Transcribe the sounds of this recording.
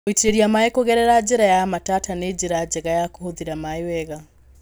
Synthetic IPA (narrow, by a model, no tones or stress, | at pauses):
oitiɾeɾjamaekoɣɛɾɛɾad͡ʒeɾajamatataned͡ʒiɾad͡ʒɛɣajakohoðiɾamaiwɛɣa